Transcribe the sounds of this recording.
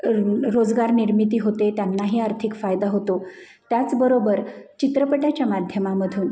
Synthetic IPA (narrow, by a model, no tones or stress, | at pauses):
ɾod͡zɡaɾniɾmit̪̬iːɦot̪et̪janːaɦiːaɾt̪ʰikfajd̪aɦot̪o | t̪jat͡sbəɾobəɾt͡ɕit̪ɾəpəʈjat͡ɕjamad̪ʱjəmaməd̪ʱuːn